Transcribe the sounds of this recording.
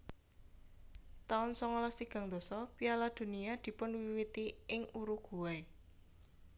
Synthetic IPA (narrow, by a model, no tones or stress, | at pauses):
t̪aʊnsɔŋɔlɔst̪iɡ̥ä̤ŋd̪̥ɔ̤sɔpialad̪̥o̤niad̪̥i̤pʊnwiwit̪iɪŋuɾuɡ̥ṳwae